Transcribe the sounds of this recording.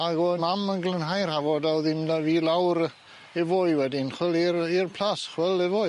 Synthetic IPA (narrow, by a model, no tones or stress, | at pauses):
aɡomamənɡlˠənɦajrhavɔdawðɪmdaviːlˠawɾ | ɛvoːɨwɛdɪnχwɛlˠirirpʰl̥ˠasχwɛlˠɛvoːj